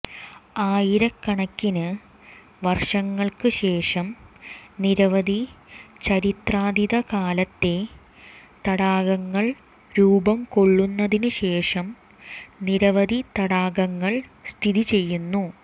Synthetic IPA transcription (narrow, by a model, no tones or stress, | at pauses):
aːjiɾɐkːɐɳɐkːinɨ | ʋɐrʂɐŋːɐɭkɨɕe̞ːʂɐmniɾɐʋɐd̪ʱit͡ɕɐɾit̪raːd̪iðɐkaːlɐt̪ːe̞ | t̪ɐɽaːɣɐŋːɐɭ | ɾuːbɐmko̞ɭːunːɐðinɨɕe̞ːʂɐm | niɾɐʋɐd̪ʱit̪ɐɽaːɡɐŋːɐɭst̪ʰiðit͡ɕe̞jːunːu